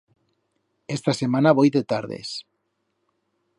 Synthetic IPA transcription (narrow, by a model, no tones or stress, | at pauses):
est̪asemanaβojðet̪aɾðḛs